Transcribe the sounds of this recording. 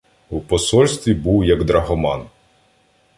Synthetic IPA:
wpɔsɔlʲsʲt̪ʲʋʲibuwjɐɡd̪ɾɐɦɔmɑn

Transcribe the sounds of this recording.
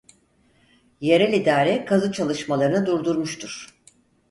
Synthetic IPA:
jeɾɛlʲid̪aːɾɛkʰazɯt͡ʃʰalˠɯʃmalˠaɾɯnɯd̪uɾd̪uɾmuʃt̪ʰuɾ̥

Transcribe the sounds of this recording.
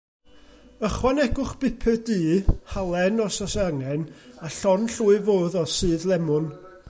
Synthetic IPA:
əχwanɛɡʊχb̥ɪpʰɛdɨːhalˠɛnɔsasaŋɛnaɬɔnɬuːɨvoːðɔsɨːðlˠɛmʊn

